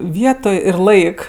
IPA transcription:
ˈʋʲiɛtoːj ɪr ˈlˠɐɪk

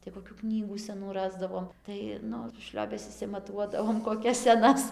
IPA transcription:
tɐɪ koːˈkʲuː ˈknʲiːɡuː sʲɛˈnuː ˈrɑːzdɐʋoːm ˈtɐɪ ˈnʊ ˈʃʲlʲoːbʲɛs ɪʃʲsʲɪmɐˈtuɔdɐʋoːm koːˈkʲɛs sʲɛˈnɐs

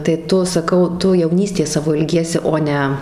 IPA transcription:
tɐɪ ˈtʊ sɐˈkɐʊ ˈtʊ jɛʊˈnʲiːsʲtʲeːs ˈsɑːʋoː ɪlʲˈɡʲiɛsʲɪ ˈoː nʲɛ

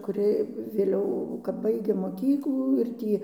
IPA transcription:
kʊˈrʲɪ ʋʲeːˈlʲɛʊ kɐp ˈbɐɪɡʲeː moːˈkʲiːklˠuː ɪr ˈtʲiː

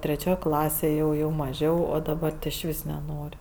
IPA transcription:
tʲrʲɛˈt͡ʃʲoːj ˈklˠɑːsʲeːj ˈjɛʊ jɛʊ mɐˈʒʲɛʊ oː dɐˈbɐr ɪʃʲˈʋʲɪs nʲɛˈnoːrʲ

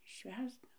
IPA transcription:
ˈʃʲʋʲæːzdɐ

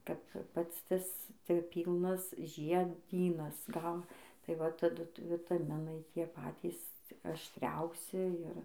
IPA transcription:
kɐp ˈpɐts ˈtɐs tʲɪ ˈpʲiːlˠnɐs ʒʲiɛˈdʲiːnɐs ɡɐlˠ tɐɪ ˈʋɐ tɐˈdʊ ʋʲɪtɐˈmʲɪnɐɪ ˈtʲiɛ ˈpɑːtʲiːs ɐʃʲtʲˈrʲɛʊsʲɪ ɪr

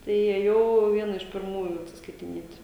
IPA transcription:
ˈtɐɪ iːeːˈjɛʊ ˈʋʲiɛnɐ ɪʃ pʲɪrˈmuːjʊ ɐtʲsʲɪskɐɪtʲɪˈnʲiɛtʲ

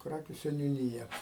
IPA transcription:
ˈkrɑːkʲʊ sʲɛnʲʊˈnʲiːjɛ

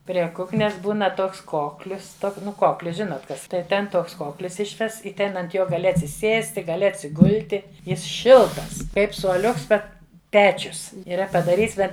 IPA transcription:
pʲrʲiɛ ˈkʊknʲɛs ˈbuːnɐ ˈtoːks ˈkoːklʲʊs ˈtoːk ˈnʊ ˈkoːklʲʊs ˈʒʲɪnoːt ˈkɐs tɐɪ ˈtʲɛn ˈtoːks ˈkoːklʲɪs ˈɪʃʲʋʲɛsts ɪ ˈtʲɛn ɐnt ˈjoː ɡɐˈlʲɪ ɐtʲsʲɪˈsʲeːsʲtʲɪ ɡɐˈlʲɪ ɐtʲsʲɪˈɡʊlʲtʲɪ ˈjɪs ˈʃʲɪlˠtɐs ˈkɐɪp suɔˈlʲʊks ˈbʲɛt ˈpʲæːt͡ʃʲʊs iːˈrɐ pɐdɐˈrʲiːts ˈbʲɛt

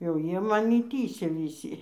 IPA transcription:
jɛʊ ˈjiɛ mɐˈnʲɪ ˈtʲiːsʲɛ ʋʲɪˈsʲiː

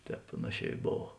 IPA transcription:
ˈtʲɛːp ˈpɑːnɐˌʃʲɛː ɪ ˈboːw

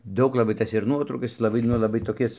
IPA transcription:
ˈdɐʊk lˠɐˈbɐɪ ˈtɐs ɪr ˈnuɔtrɐʊkɐs ˈjɪs lˠɐˈbɐɪ ˈnʊ lˠɐˈbɐɪ toːˈkʲɪs

